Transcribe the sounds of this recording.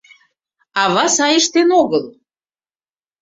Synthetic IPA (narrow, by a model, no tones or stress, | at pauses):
ɑβɑsɑjə̆ʃt̪enoɣəl